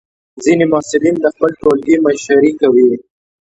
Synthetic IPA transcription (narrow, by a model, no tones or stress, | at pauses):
zinemɑsɪlind̪əxpəlʈolɡimaʃaɾikawi